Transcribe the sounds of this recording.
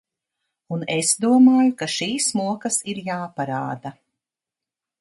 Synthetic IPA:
unesd̪uɔmaːjukaʃiːsmuɔkɐsiɾjaːpaɾaːd̪a

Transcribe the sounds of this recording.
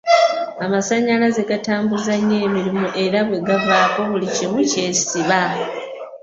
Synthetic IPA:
amasaɲːalaze̞ɡataːmbuzaɲːe̞ːmiɾimuʔe̞ɾaβwe̞ɡavaːko̞βulicimuce̞̥ːsiβa

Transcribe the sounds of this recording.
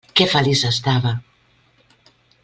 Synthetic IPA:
kefalisast̪aβa

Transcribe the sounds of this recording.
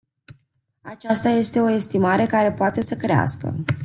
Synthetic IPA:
at͡ʃast̪aje̞st̪e̞o̞e̞st̪imaɾe̞kaɾe̞poat̪e̞səkɾea̰skə̰

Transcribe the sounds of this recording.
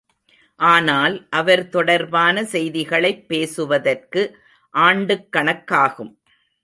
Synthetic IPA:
ʔaːnaːlʔɐʋɐɾt̪ɔɽɐɾbaːnɐsɛjðɪɣɐɭɐɪpːeːsɯʋɐðɐrkɯ | ʔaːɳɖɯkːɐɳɐkːaːɣɯm

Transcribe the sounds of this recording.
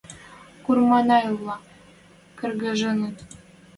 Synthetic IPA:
kurmɑnɑjuvlˠɑ | kɘ̆rɡɘ̆ʒɤ̆nɤ̆t̪

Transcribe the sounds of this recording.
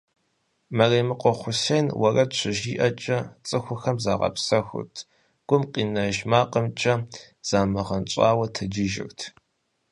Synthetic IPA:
mɐreːmɨqʷʼɔχʷʊseːnwɐrɐɕʷʰɪʒiːʔɐt͡ʃʼɐt͡sʼɨxʷʊxɐmzaːʁɐ̰psɐxʷʊ̰tʰ | ɡ̥ʷʊmqʼiːnɐʒmaːqʼəmt͡ʃʼɐ | z̥aːmɨʁɐnt͡ʃʷʼaːwɐtʰɨd͡ʒɪʒɪ̰rtʰ

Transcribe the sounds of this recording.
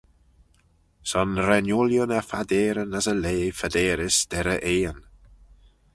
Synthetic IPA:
sɔnɾɛnjʊljʊnəfadeːɾənasəleːfadeːɾɪsd̥ɛɾəʔeːən

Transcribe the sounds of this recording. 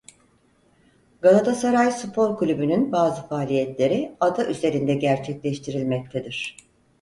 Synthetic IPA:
ɡalˠat̪ʰasaɾajsupʰo̞ɾklʲybynynbaːzɯfaːlʲijɛt̪lʲe̞ɾiad̪aʔyze̞ɾind̪ɛɟæɾt͡ʃʰɛclʲɛʃt̪ʰiɾilʲmɛc̚t̪ʰed̪iɾ̥

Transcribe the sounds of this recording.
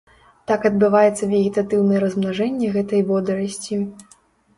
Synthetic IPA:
t̪akɐd̪̚bɨvajɛt̪sːɐvʲeɣʲit̪at̪ɨwnɐjɛɾɐzmnaʐɛnʲːɛɣɛt̪ɐjvɔd̪ɐɾɐsʲt͡sʲi

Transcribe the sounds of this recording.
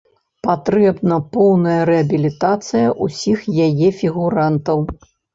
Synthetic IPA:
pat̪ɾɛbnɐpɔwnɐjɐɾɛɐbʲilʲit̪at̪sɨjɐʔusʲixjajɛfʲiɣuɾant̪ɐw

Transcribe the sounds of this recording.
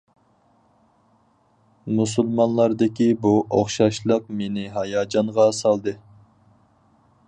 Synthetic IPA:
musulˠmɑnlˠɑɾd̪ɪkʲibuoχʃɑʃlˠəq̚menɪɦɑjɑːd͡ʒɑŋʁɑsɑlˠd̪ɨ

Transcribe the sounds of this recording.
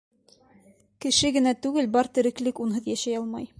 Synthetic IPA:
kɘ̆ʃɘɡɘ̆næt̪ʉɡɘlbɒɾt̪ɘ̆ɾɘ̆klɘkunɦɤðjæʃæjɑlˠmɑj

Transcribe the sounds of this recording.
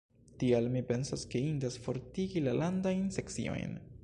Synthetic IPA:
tialmipe̞nsaskeindasfo̞ɾtiɡilalandajnse̞ksḭo̰jn

